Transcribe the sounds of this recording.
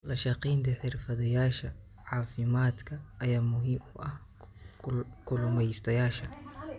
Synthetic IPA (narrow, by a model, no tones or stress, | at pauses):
lɐʃɑqiːnt̪ʰɐħɪrfɐðɐjaːʃɐ | ʕɑːfɪmaːd̪kʰɐɐjaːmʊɦɪmʊʔɐh | kʰʊlʊmɛjst̪ʰɐjaːʃɐ